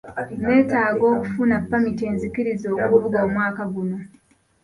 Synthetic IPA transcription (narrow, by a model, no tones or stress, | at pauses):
ne̞ːtaːɡo̞ːku̥funapːamite̞ːnzikiɾizo̞ːkuvuɡoːmwaːkaɡuno̞